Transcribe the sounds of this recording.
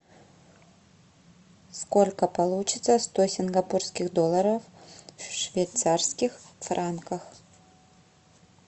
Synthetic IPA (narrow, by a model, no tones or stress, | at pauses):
skolʲkɐpɐlˠut͡ʃʰɪt̪sɐst̪osʲɪnɡɐpurskʲɪxd̪olˠɐɾɐffʂvʲejt̪sarskʲɪxfrankɐx